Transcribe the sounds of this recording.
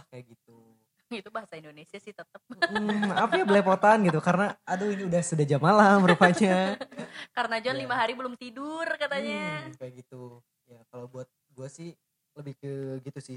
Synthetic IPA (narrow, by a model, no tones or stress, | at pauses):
ahkajaɡit̪̚u | ɡit̪ubaɦasaindonesiasɪht̪ət̪əp̩̚apajabəlapot̪anɡit̪ukaɾənaːduiniudahsudad͡ʒamalamɾupaɲa | kaɾənad͡ʒanlimaɦaɾibəlʊmt̪idʊrkat̪aɲakajaɡit̪u | jakalawbuat̪̚ɡuasɪh | ləbɪhkəɡit̪usɪh